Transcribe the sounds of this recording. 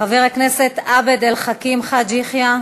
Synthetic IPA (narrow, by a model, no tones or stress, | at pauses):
aviʁakne̞set̪abed̪elχakimχadd͡ʒiχja